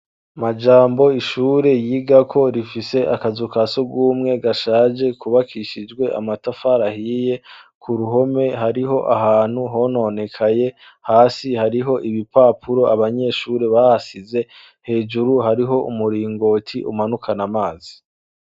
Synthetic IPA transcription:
mad͡ʒaːmbo̞iʃuːɾe̞jiːɡakʰo̞ɾifise̞ʔakazukasoɡuːmŋe̞ɡaʃaːd͡ʒe̞kuβakʰiʃid͡ʒɡwe̞ʔa̰matafaɾahiːje̞kʰuɾuɦo̞me̞ɦaɾiɦo̞ʔaɦaːn̥huɦo̞no̞ne̞kʰaje̞ | haːsihaɾiɦo̞ʔiβipaːpʰuɾo̞aβaɲe̞ːʃuːɾe̞βahasize̞ | he̞ːd͡ʒuɾuhaɾiɦo̞umuɾiːŋɡo̞ːtʰiʔumanukʰanamaːzi̥

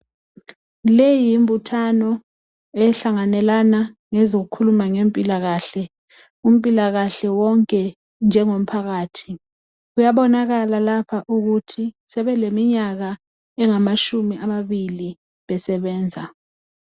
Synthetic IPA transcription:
lejimbʱutʰanɔ | ɛɬaŋanɛlanaŋɛzok̬ukʰulumaŋempʼilaɣaːɬɛ | um̩pʼilaɣaɬɛwɔŋkʼɛ | nd͡ʒʱɛŋom̩pʰaɣaːtʰi | ujaɓɔnaɣalalapʰaʔuɣ̬utʰisɛɓɛlemiɲaɣa | ɛŋamaʃumiʔamaɓili | ɓɛsɛɓɛːnd͡zʱa

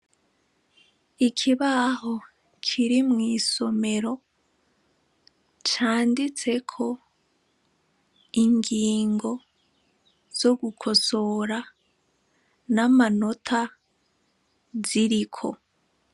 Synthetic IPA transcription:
ikʰiβaho̞ | kʰiɾimŋiːso̞me̞ɾo̞ | t͡ʃaːndit͡se̞kʰo̞ | iŋɡiːŋɡo̞ | z̥o̞ɡukʰo̞so̞ɾa | namano̞tʰa | ziɾikʰo̞̰

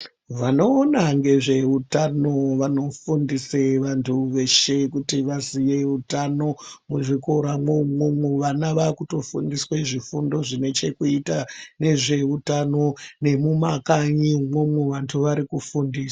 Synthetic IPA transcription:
ʋano̞ːnaŋɡe̞ʐe̞utano̞ʋano̞fundiseʋantʰuʋe̞ʃekutiʋaziʋe̞utano̞muʐiko̞ɾamwomomuʋanaʋakuto̞fṵndisweʐifundo̞ʐine̞t͡ʃe̞kuitane̞ʐe̞utano̞ne̞mumakaɲimomwuʋantʰuʋaɾikufundiːsḁ

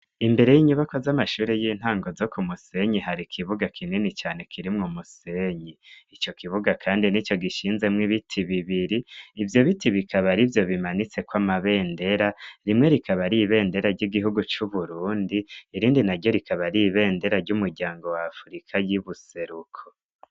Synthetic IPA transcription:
imbe̞ɾe̞jiːɲuβako̞zamaʃuːɾejiːn̥haːŋɡo̞zo̞kumuse̞ɲiɦaɾikʰiβuɡakʰininit͡ʃaːne̞kʰiɾimŋomuse̞ɲiit͡ʃo̞kiβuɡakʰaːndinit͡ʃo̞ɡiʃiːnze̞mŋiβitʰiβiβiɾiːvjo̞βitiβikʰaβaɾivjo̞βimanit͡se̞kwamaβe̞ːnde̞ɾaɾimŋe̞ɾikʰaβaɾiβe̞ːnde̞ɾaɾɟiɡiɦuɡut͡ʃuβuɾuːndiːɾiːndinaɾjo̞ɾikaβaɾiβe̞ːnde̞ɾaɾɟumuɾɟaːŋɡo̞waːfuɾikʰajiβuse̞ɾukʰo

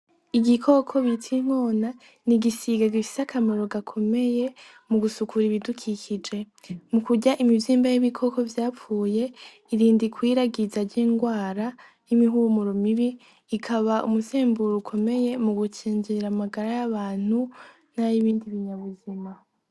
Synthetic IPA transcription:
iɡikʰo̞kʰo̞βitʰiŋ̥o̞ːna | niɡisiɡaɡifi̥sakʰameɾo̞ɡakʰo̞me̞je̞ | muɡusukuɾiβidukʰikʰid͡ʒe̞ | mukuɟaʔimiviːmbajiβikʰo̞ko̞vjaːpfuːje̞ | iɾiːndikwiːɾaɡizaɾɟiːŋɡwaːɾa | jimiɦumuɾomiβiː | kʰaβaʔṵmuseːmbuɾukʰo̞me̞je̞muɡut͡ʃiːɲd͡ʒiɾamaɡaɾajaβaːn̥hu | najiβiːndiβiɲaβuzima

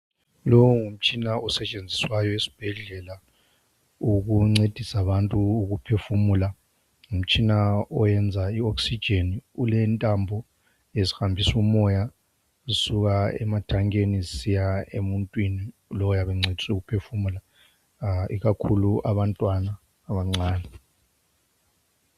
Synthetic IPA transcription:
lɔwɔŋum̩t͡ʃʼinaɔsɛt͡ʃʼend͡zʱiswajɔesi̥b̥ʱɛɮɛla | uɣuŋ͡ǀed̥ʱisaβantʼuːɣupʰefumula | ŋum̩t͡ʃʼinaɔjɛnd͡zʱaioksid̥ʒ̥ʱeniulɛntʼambʱɔ | esi̥hambʱisumɔja | isuɣaɛ̰matʰaŋeniisijaemuntʼwini | lɔwjaβɛŋ͡ǀed̥ʱisuɣupʰefumula | ḭɣakʰuluʔaβantʼwanaː | βaŋ͡ǀaːnɛ

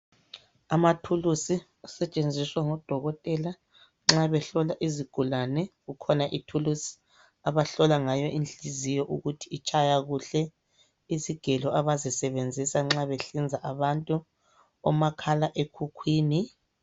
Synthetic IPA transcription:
amatʰulusi | asɛt͡ʃʼend͡zʱiswaŋɔd̥ʱɔɣɔtʼɛla | ŋ͡ǁaβɛɬɔlaʔiziɡ̥ʱulanɛɣukʰɔnaʔitʰulusi̥ | aβaɬɔlaŋajɔʔind͡ɮizijɔʔuɣutʰiːt͡ʃʼajaɣuɬɛ | iziɡ̥ʱɛlɔʔaβazisɛβend͡zʱisaŋ͡ǁaβeɬind͡zʱaʔaβantʼu | ɔmakʰalaʔekʰukʰwiːni

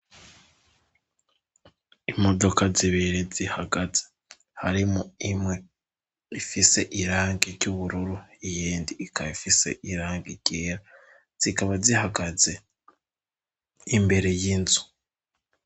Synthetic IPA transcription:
imo̞do̞kaziβeɾezihaɡaze | haɾimoimwe̞ | ifise̞ʔiɾaːŋɡiɾɟuβuɾuɾuijiːndiːkʰaifise̞̰ʔiɾaːŋɡiɾɟ̥eːɾa | z̥ikaβazihaɡaze̞ | imbe̞ɾe̞jinzu̥

